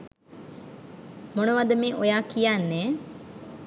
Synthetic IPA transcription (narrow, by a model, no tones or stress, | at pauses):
monəʋad̪əmiʔojaːkijanːeː